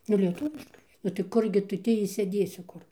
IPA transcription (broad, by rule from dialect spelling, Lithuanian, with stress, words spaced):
nʊ lʲiɛˈtʊʋʲɪʃkɐɪ nʊ tɐɪ ˈkʊrʲɡʲɪ ˈtʊ ˈtʲiː ɪʃʲsʲeːˈdʲeːsʲɪ ˈkʊr